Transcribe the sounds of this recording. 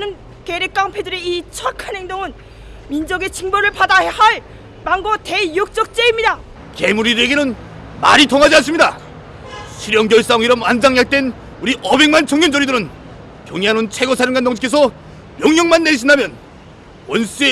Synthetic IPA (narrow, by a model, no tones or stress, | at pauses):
nɯn | keɾek̚k͈aŋpʰedɯɾeit͡ɕʰʌkʰanɦe̞ŋdoŋɯn | mind͡ʑʌɡet͡ɕʰiŋboɾɯɭpadaɦehaɭ | maŋɡʌtejok̚t͡ɕ͈ʌk̚t͡ɕ͈eimɲida | ke̞muɾiɾeɡenɯn | ma̰ɾitʰoŋɦad͡ʑians̬͈ɯmɲida | ɕʰiɾjʌŋɡjʌɭs͈aŋiɾʌmand͡ʑaŋjak̚t͈e̞n | uɾiʔʌbe̞kŋmant͡ɕʰʌŋjʌnd͡ʑʌɾidɯɾɯn | kjoŋanont͡ɕʰe̞ɡʌsʰaɾɯnɡandʌŋt͡ɕʰikʰes̬ʰʌ | mjʌŋjʌŋmanːeiɕʰindamjʌn | wʌns͈ue